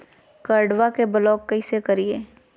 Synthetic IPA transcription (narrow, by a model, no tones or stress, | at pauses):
kəɾɖʋakebəlɔːkːɐisekɐɾieː